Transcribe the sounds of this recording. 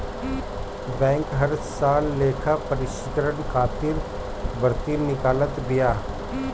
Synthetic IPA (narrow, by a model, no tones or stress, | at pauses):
bɛ̃ːŋkɦɐɾsaːlːeːkʰapɐɾɪʃɪt̪ɾənkʰaːt̪ɪɾ | bəɾt̪inɪkaːlət̪bijaː